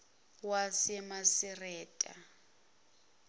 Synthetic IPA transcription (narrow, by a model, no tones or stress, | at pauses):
wasɛmasirɛːtʼa̰